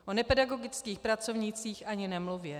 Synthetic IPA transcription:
ʔonɛpɛdaɡo̞ɡɪt͡skiːxpɾat͡sovɲit͡siːxʔaɲɪnɛmluvjɛ

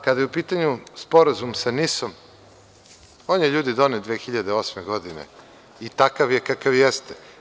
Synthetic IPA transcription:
kad̪ajeupiːt̪aɲuspo̞ɾazumsanisom | oːnjeʎuːd̪id̪oned̪ʋeːxiʎad̪eoːsmeɡo̞d̪inḛ | it̪akaʋjekakaʋjɛst̪e̥

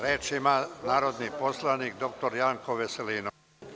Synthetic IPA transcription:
ɾeːt͡ʃimanaːɾo̞d̪niposlˠanik̚d̪o̞k̚t̪o̞ɾjaːŋkoʋeseliːnu

